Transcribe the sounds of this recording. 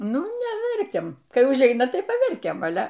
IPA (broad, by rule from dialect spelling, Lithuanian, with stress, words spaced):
ˈnʊ nʲɛˈʋʲɛrʲkʲɛm ˈkɐɪ ʊʒʲˈɛɪnɐ ˈtɐɪ pɐˈʋʲɛrʲkʲɛm ɐˈlʲɛ